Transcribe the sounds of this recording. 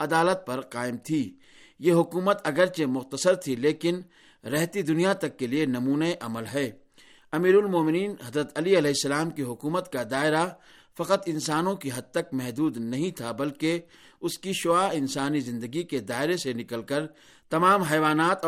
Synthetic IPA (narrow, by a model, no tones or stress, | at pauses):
ɐd̪aːlət̪̚pɐɾqaːɪmt̪ʰiː | jeɦʊkuːmət̪ɐɡəɾt͡ʃemʊxt̪əsəɾt̪ʰileːkɪn | ɾɛɦt̪id̪ʊnijat̪ɐkːelienɐmuːnaeʔɐməlɦɛː | ɐmiːɾʊlmoːmɪniːnɦɐzɾət̪ɐliɐlɛɦɪsːəlaːmkiɦʊkuːmət̪kad̪aːɪɾa | fɐqət̪ɪ̃nsaːnõkiɦɐd̪̚t̪ɐk̚mɛɦd̪uːd̪nɐɦĩt̪ʰabɐlke | ʊskiʃʊaːɪ̃nsaːnizɪ̃nd̪əɡiked̪aːɪɾesenɪkəlkəɾ | t̪ɐmaːmɦɛːʋaːnaːt̪